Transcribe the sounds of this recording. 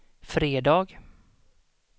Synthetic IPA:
fɾeːd̪ɑːɡ

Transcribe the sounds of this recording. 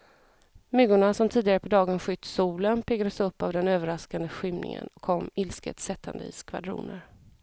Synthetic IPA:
mʏɡʊɳasɔmt̪ʰiːd̪ɪɡaɾəpʰɔd̪ɑːɡənɧʏt̪ːsuːlənpʰɛɡad̪əsɵpːavd̪ɛnøːvəɾaskand̪əɧɪmnɪ̰ŋə̰nɔkʰːɔmːɪlskə̰t̪sɛt̪ʰːa̰nd̪əiːskʰva̰d̪ɾṵːnəɾ

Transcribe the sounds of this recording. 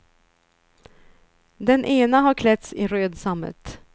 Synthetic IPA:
d̪ɛnʔeːnaɦaɾkʰlɛt̪sɪɾøːd̪samːə̰t̪

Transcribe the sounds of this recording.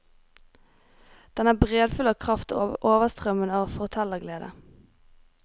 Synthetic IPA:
d̪̥ɛnæːbʁeːd̪fʉlɑːkʰʁɑft̪ʔoːʋəst̪ʁœmənɑːʋəfɔʁt̪ʰɛləʁɡleːd̪ə

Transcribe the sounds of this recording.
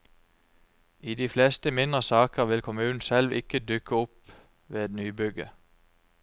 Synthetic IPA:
iːd̪iːfleːst̪əmɪnd̪ʁəsɑːkəʁʋɪlkʰʊmʉːn̩sɛlʋɪ̰kəd̪ʉkəʊp | ʋeːɛd̪nyːbʏɡə

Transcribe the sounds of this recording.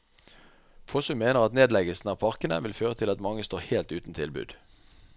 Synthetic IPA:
fʰɔsʊmeːnəʁɑt̪neːd̪lɛɡəlsn̩ɑːʋpʰɑʁkənəʋɪlføːʁət̪ʰɪlɑt̪mɑŋəst̪oːʁheːlt̪ʉːt̪n̩t̪ʰɪlbʉ̰ːd̪̥

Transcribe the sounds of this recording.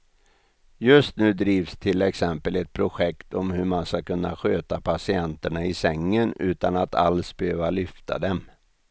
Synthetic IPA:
jɵst̪nʉ̟ːd̪ɾiːvst̪ʰɪlɛksɛmpəlɛt̪̚pʰɾʊɧɛkt̪ɔmhɵmanskakɵnːa̰ɧøːt̪apʰasɪɛnt̪əɳaɪsɛŋːənʉ̟ːt̪anat̪ʰa̰lsbɛhøːvalʏft̪ʰa̰d̪ɛm

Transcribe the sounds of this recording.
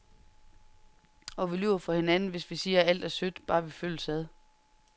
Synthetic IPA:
ɒ̽ʋilyʊ̰ɐfʁɑ̈he̝nænn̩ʋe̝sʋisiːɐæl̰d̥æɐsød̥b̥ɑ̈ːʋiføl̰sæð̞ˠ

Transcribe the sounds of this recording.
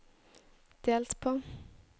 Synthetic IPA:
d̪̥eːlt̪pʰoː

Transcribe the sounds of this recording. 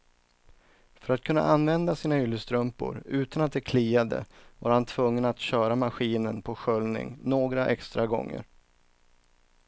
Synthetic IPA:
fœɾat̪̚kʰɵnːa̰ʔanvɛnd̪asiːnaʏlːəst̪ɾɵmpʊ̰ɾʉ̟ːt̪anat̪̚d̪ɛkʰliːad̪ə̰va̰ɾhant̪ʰv̥ɵŋːənat̪ɕœːɾamaɧiːnənpʰɔɧœlnɪ̰ŋnoːɡɾaʔɛkst̪ɾaɡɔ̰ŋːə̰ɾ

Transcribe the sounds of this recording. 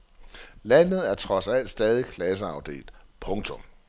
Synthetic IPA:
læn̰ð̞̩ˠæɐt͡sʰʁɒ̽sæl̰d̥sd̥ɛːð̞ˠikʰlæs̬əɑ̈ʊd̥e̝̰ːld̥pʰɔ̽ŋt͡sʰɔ̽m

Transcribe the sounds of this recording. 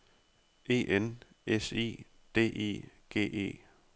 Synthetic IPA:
e̝̰ːʔen | esḭː | d̥e̝̰ːʔḛː | ɡ̥e̝̰ːʔe̝̰ː

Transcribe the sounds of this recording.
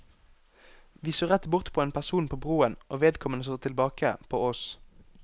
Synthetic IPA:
ʋiːsoːʁɛt̪bʊʁt̪pʰoːeːnpʰæsuːnpʰoːbʁuːənʔoːʋeːd̪kʰɔmənəsoːt̪ʰɪlbɑːkʰəpʰo̰ːɔs

